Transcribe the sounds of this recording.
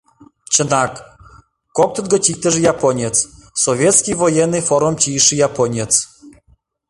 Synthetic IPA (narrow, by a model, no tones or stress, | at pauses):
t͡ɕənak | kɔk̚t̪əd̪ɡɔt͡ɕʲik̚t̪əʐjapɔnʲet͡ssɔvʲjɛt̪skʲivojɛnːɨfoɾumt͡ɕiʃɨjapɔnʲet͡s